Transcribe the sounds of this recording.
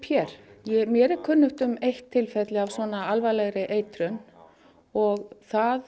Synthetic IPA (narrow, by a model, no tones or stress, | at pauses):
jɛɾ̥jɛmjɛɾɛɾkʰʏnːʏht̪ʏmejht̪ʰːɪlfɛt̪lɪavsvɔːnaalvalɛɣɾɪʔeːjt̪ɾʏn | ɔɣθað